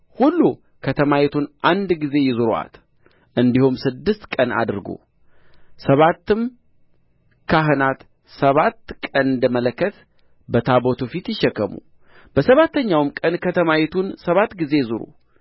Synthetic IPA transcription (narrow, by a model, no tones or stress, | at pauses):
hulːu | kʰət̪ʰəmajɛt̪ʰunʔand̪ɡize̞jɪzɨɾoa̰t̪ | ʔɨnd̪ihumsɨd̪ːɨst̪kʼəna̰d̪ɨɾɡo̰ | səβat̪ːɨm | kʰaɦɨnat̪ | səβat̪ːkʼənɨnd̪əmələkːət̪ | bət̪ʰabot̪ʰufit̪jɪʃːɛkʰːəmṵ | b̥əsəβat̪ːəɲːawmkʼənkʰət̪ʰəmajɛt̪ʰunsəβat̪ːɡize̞jzɨɾṵ